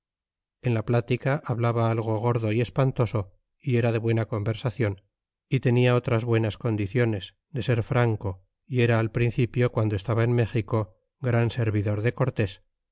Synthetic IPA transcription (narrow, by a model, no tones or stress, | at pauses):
e̞nlaplat̪ikaʔaβlaβaalɣ̞o̞ɣ̞o̞ɾðo̞ie̞spant̪o̞so̞ | ie̞ɾaðe̞βwe̞nako̞mbe̞ɾsaθjo̞n | it̪e̞niao̞t̪ɾazβwe̞nasko̞nd̪iθjo̞ne̞z | d̪e̞se̞ɾfɾaŋko̞ | ie̞ɾaːlpɾin̟θipjo̞kwand̪oe̞st̪aβaenme̞xiko̞ | ɡɾanse̞ɾβiðo̞ɾðe̞ko̞ɾt̪e̞s